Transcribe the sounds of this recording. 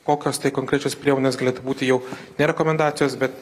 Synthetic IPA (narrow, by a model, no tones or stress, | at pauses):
koːkʲoːst̪ɐɪkoŋʲkɾʲɛt͡ʃʲoːspʲɾʲiɛmoːnʲeːsɡɐlʲeːt̪ubuːt̪ʲɪjɛʊnʲɛɾʲɛkoːmʲɛnd̪ɑːt̪ʲɪjoːsbʲɛt̪